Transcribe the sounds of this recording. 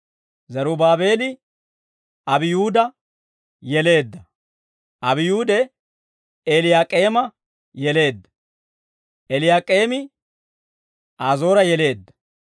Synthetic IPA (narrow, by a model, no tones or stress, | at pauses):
zɐɾubaːbe̞ːlɪ | ɐbɪjuːd̪ɐ | jɛle̞ːd̪ːɐ | ʔɐbɪjuːd̪ɛ | elɪjaːkʼeːmɐ | jɛle̞ːd̪ːɐ̥ | ɛlɪjaːkʼeːmɪ | aːzo̞ːɾɐjɛle̞ːd̪ːɐ̥